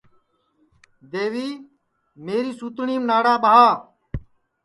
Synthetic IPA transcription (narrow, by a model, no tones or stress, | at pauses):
d̪eːʋiː | meːɾiːsuːt̪ɳiːmnaːɽaːɓaaː